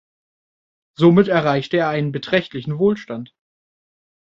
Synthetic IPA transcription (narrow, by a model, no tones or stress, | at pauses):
zomɪtɛɐʁaɪçtəeːɐʔaɪnənbətʁ̥ɛçtlɪçn̩voːlʃtant